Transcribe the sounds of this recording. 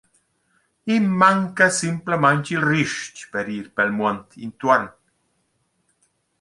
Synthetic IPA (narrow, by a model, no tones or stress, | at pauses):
imːaŋkasimpləmant͡ʃilriʃcpeɾiɾpelmwɔnt̪ḭnt̪wɔɾn